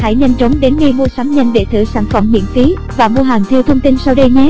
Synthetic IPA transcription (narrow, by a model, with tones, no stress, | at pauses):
ha̰˧˨jɲə˧jŋ̟t͡ɕə˨˦wŋ͡mɗe˨˦nŋi˧˩jmu˧əsaː˨˦mɲə˧˩nɗḛ˧˨t̪ʰɨ̰˧˩saː˧˩nfə˧˩mhḭ˧˨ənfi˨˦ | vaː˨˩mo˧əɦaː˨˩ŋt̪ʰɛ˧wt̪ʰə˧wŋ͡mt̪i˧nsaː˧wɗə˧jɲe˨˦˥